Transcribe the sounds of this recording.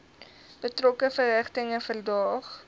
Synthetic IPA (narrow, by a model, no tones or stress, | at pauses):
b̥ətrɔkəfərɦæχtəŋəfərdɑːχ